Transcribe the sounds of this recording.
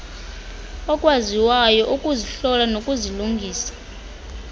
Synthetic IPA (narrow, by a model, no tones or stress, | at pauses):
ɔkʼwaziwajɔʔukʼuziɬɔlanokʼuziluŋɡʱiːsḁ